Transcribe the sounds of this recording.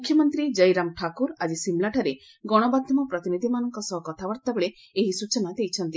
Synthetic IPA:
mukʰjɔmɔnt̪ɾid͡ʒɐjɾamʈʰakuɾad͡ʒisimlaʈʰaɾe | ɡɔɽ̃ɔbad̪ʱjɔmɔpɾɔt̪inid̪ʱimanɔŋkɔsɔɦɔkɔt̪ʰaʋɔɾt̪abeɭe | eɦisut͡ʃɔnad̪ejt͡ʃʰɔnt̪i

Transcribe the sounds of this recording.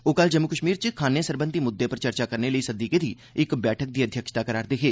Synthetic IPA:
oːkəld͡ʒəmːʊkəʃmiːɾt͡ʃkʰaːnesəɾbə̃nt̪iːmʊd̪ːepəɾt͡ʃəɾt͡ʃaːkəɾneləiːsəd̪iːked̪iː | ɪkbɛːʈʰək̚d̪iːəd̪ʱjəkʃt̪aːkəɾaːɾd̪eːkeː

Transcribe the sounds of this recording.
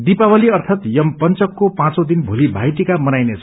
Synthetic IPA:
d̪ipawaliʌrt̪ʰat̪jʌmpʌnt͡sʌkːopãt͡sod̪inbʱulibʱajt̪ikamʌnajnet͡sʰʌ

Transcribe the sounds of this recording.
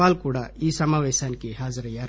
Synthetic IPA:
aːlkuɽaiːsɐmaːʋeːʃaːnkeɦaːzɾjaːɾ

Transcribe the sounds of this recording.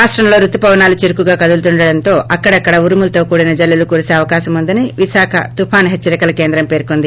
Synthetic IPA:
ɾaːʂʈɾɐmlo̞ːɾut̪ːupɐʋɐnaːlut͡ʃiɾukuɡaːkɐd̪ult̪uɳɖɐɽɐnt̪o̞ːʔɐkːɐɽɐkːɐɽɐuɾumulɐt̪o̞ːkuːɽinɐd͡ʒɐlːɐlukuːɾuseːɐʋɐkaːʃɐmund̪ɐniʋisaːkʰɐ̰t̪upʰaːnɦet͡ʃːt͡ʃːɐɾikɐlɐke̞ːnd̪ɾɐmpe̞ːɾkond̪i

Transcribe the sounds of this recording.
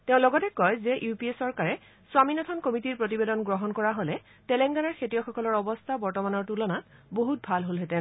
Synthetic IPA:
tɛʊ̃lɔɡɔtɛkɔjzɛʔjupiesɔɹkaɹɛ | swaminɔtʰɔnkomitiɹpɹot̬ibedɔnɡɹɔɦɔnkɔɹaɦolɛ | tɛlɛŋɡanɔɹxʰetiɔxɔkɔlɔɹɔbɔstʰabɔɹtɔmanɔɹtulɔnatboɦut̚bʱalɦolɦɛtɛ̃

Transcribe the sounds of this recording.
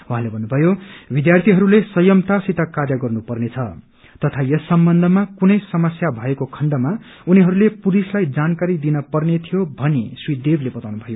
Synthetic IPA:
wɦãlebʱʌnːubʱʌjobid̪jart̪ʰiɦʌɾulesʌjʌmt̪asit̪ʌkarjʌɡʌrnupʌrnet͡sʰʌ | t̪ʌt̪ʰajʌsːʌmbʌnd̪ʱʌmakunʌjsʌmʌsjabʱʌekokʰʌɳɖʌma | uniɦʌɾulepuɾislajd͡zankaɾid̪inʌpʌrnet̪ʰijobʱʌneswid̪eblebʌt̪awnubʱʌjo

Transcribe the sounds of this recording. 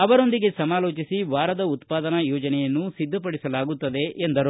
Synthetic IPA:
ɐʋɐɾo̞nd̪iɡe̞sɐmaːloːt͡ʃisiʋaːɾɐd̪ɐut̪paːd̪ɐnɐjɔːd͡ʒɐnɛjɐnːusid̪ʱːɐpɐɽisɐlaːɡut̪ːɐd̪e̞ʔːnd̪ɐɾu

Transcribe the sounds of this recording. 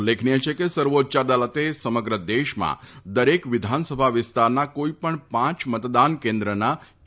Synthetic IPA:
lːekʰniet͡ʃʰekesəɾʋot͡ʃad̪alət̪esəməɡɾəd̪eʃmã̰d̪əɾekʋɪd̪ʱansəbʱaʋɪst̪aɾnakoipəɳpãt͡ʃmət̪d̪ankẽnd̪ɾəna

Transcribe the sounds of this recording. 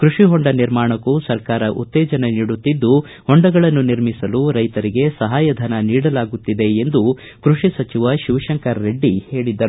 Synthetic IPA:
kɾuʂiɦoɳɖɐniɾmaːɳɐkːusɐɾkaːɾɐʔut̪ːɛːd͡ʒɐneniːɽut̪ːid̪ːu | hoɳɖɐɡɐɭɐnːuniɾmisɐluɾɐjt̪ɐɾiɡe̞sɐɦaːjɐd̪ʱɐnɐniːɽɐlaːɡut̪ːid̪e̞ːnd̪u | kɾuʂisɐt͡ʃiʋɐʃiʋʃɐŋkɐɾːe̞ɖːihe̞ːɭid̪ːɐɾu

